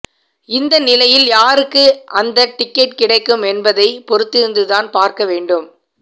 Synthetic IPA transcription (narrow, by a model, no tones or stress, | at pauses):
ɪnd̪ɐnɪlɐjɪljaːɾɯkːɯʔɐnd̪ɐʈɪkːɛʈ̚kɪɽɐɪkːɯmɛnbɐðɐɪpɔɾɯt̪ːɪɾɯnd̪ɯðaːnpaːɾkɐʋeːɳɖɯm